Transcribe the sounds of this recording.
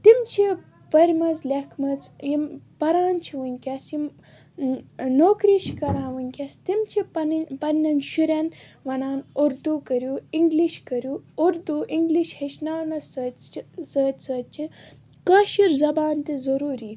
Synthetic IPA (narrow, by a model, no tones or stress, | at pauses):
t̪imt͡ʃʰi | pɐɾʲmɐzlʲekʰmɐzjimpɐɾaːnt͡ʃʰiʋɐnʲkʲɐsjim | noːkɾiːʃʰikɐɾãːnʋɐnʲkʲɐst̪imt͡ʃʰipɐnpɐnʲːɐnʃuɾʲɐnʋɐnaːnuɾd̪ukɐɾʲjuːiŋɡliʃkɐɾjuːɾd̪uiŋɡliʃheʃnaːnɐsəsəːt̪ʲsət͡ʃʰi | kaʃiɾzɐbaːnt̪izɐɾuːɾiː